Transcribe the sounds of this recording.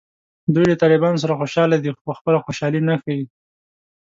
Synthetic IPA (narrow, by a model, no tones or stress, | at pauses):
d̪ujd̪lət̪ɑlɪbɑnos̬aɾaxoʃɑlad̪ixopəxpəlaxoʃɑlinaxawi